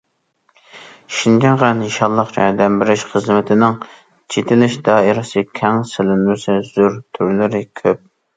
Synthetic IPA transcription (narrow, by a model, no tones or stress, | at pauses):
ʃind͡ʒɛŋʁæniʃɑlˠːɑχɑɾd̪ɛmbɪɾɪʃχəzmɪt̪ʰɪnɪŋ | t͡ʃʰet̪ʰɪlɪʃd̪ɑːɪɾɑsɨkʲʰɛŋsɪlɪnmɪsɨz̥uɾt̪ʰyɾlɪɾɪkʲʰøp̚